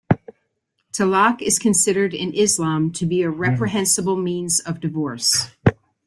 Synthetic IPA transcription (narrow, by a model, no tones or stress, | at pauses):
tʰəlɑkɨz̥kʰɨ̃nsɪɾə˞ɾɪ̰̃nʔɪzlɑ̃mtʰɨbiɨɹɛpɹɨɦɛ̃nsəbl̩ˠmĩnzʌvdɨvɔɹs